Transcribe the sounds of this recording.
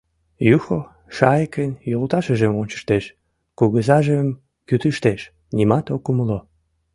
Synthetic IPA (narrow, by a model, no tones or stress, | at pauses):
juxo | ʃɑjkənjolt̪ɑʃəʒemonʲt͡ɕə̥ʃt̪eʃ | kuɣəzɑʒəm | kyt̪əʃt̪eʃ | nʲimɑt̪okuməlo